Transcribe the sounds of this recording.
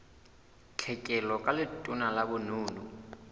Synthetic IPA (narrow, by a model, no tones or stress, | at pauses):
t͡ɬʰɛkʼɛlɔkʼalɪtʼunalabʊnuːnu